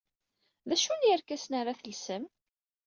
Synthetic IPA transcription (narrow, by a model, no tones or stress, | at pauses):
ðæʃunjəɾkæsnaɾaθəlsəm